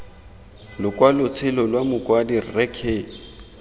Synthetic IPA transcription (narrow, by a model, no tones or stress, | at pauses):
lʊkʼwalʊt͡sʰɪlɔlwamʊkʼwadirrɛkʰeː